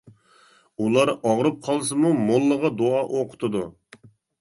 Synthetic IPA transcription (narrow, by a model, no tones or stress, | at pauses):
ulˠɑɾɑʁɾɨp̚qʰɑlˠsɨmumolˠːəʁɑd̪oɑʔoqʰʊ̥t̪ʰɨd̪u